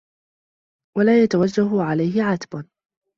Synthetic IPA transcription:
walaːjat̪awad͡ʒːaɦʊʕalajɦɪʕat̪bʊ

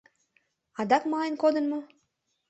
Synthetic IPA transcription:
ɑd̪ɑkmɑlenkod̪ə̆nmo

